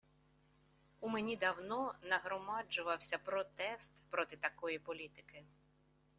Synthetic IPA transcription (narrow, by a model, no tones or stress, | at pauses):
umenʲid̪ɐwnɔnɐɦɾɔmɑd͡ʒʊʋɐwsʲɐpɾɔt̪ɛst̪pɾɔt̪ɪt̪ɐkɔjipɔlʲit̪ɪkɪ